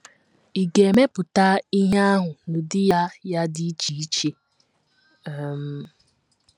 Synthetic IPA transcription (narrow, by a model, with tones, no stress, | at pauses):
i˨ɡe˨me˦pʊ˨ta˦i˦ɦa˦a˦ɦʊ˨n̩˨dɪ˦ja˦ja˦dɪ˦t͡ʃi˨i˦t͡ʃe˦˨ | m̩˨